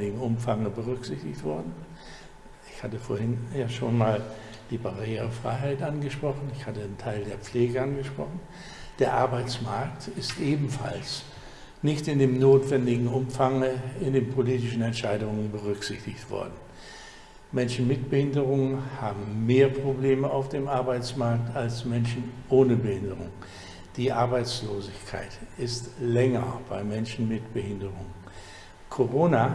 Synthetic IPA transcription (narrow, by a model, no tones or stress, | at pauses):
ɪɡŋ̩ʊmfaŋəbəʁʏkz̥ɪçtɪçtv̥ɔɐdn̩ | ɪçhatəfoːɐhɪnjaːʃoːnmaːl | d̥iːbaʁeːʁəfʁ̥a̰ɪɦaɪtʔanɡəʃpʁ̥ɔχn̩ɪçhatəntʰaɪldeːɐp͡fleːɡəanɡəʃpʁ̥ɔ̰χn̩ | d̥eːɐʔaɐbaɪt͡smaɐktɪstʔeːbm̩fa̰ls | nɪçtɪndeːmnoːtv̥ɛndɪɡŋ̩ʊmfaŋəɪndeːnpʰoliːtɪʃn̩ɛntʃaɪdʊŋənbəʁ̞ʏkz̥ɪçtɪçtv̥ɔ̰ɐdn̩ | mɛnʃn̩mɪt̚b̥əhɪndəʁʊŋənhaːbm̩meːɐpʁ̥obleːməaʊfd̥eːmʔaɐbaɪt͡smaɐk̚talsmɛnʃn̩ʔoːnəbəhɪndəʁʊ̰ŋ | d̥iːʔaɐbaɪt͡sloːzɪçkʰa̰ɪtɪstlɛŋɐb̥aɪmɛnʃn̩mɪtb̥əhɪndəʁʊŋ | kʰoʁoːna